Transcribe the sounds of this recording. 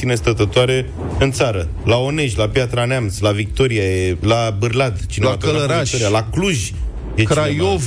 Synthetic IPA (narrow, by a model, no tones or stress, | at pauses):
inest̪ət̪ət̪oaɾe̞ | ɨnt̪saɾə | lao̞ne̞ʃʒʲlapjat̪ɾaneamslavik̚t̪o̞ɾiajelabɨrlad̪t͡ʃineatələɾaoɾialakluʒ | jekɾajov